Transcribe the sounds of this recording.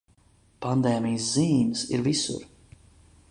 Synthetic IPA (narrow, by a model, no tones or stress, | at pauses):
pand̪ɛːmijs̬ziːmsḭɾvisṵɾ